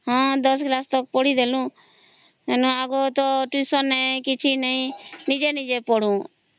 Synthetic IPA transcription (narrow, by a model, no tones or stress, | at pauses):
ɦãːd̪əs̬klaːst̪ək̚poːɽid̪eːlũː | enũːaːɡoːt̪oʈiːsɔ̃nːɛ̃ːkɪt͡ʃʰinəĩnid͡ʒenid͡ʒepoɽ̤ũː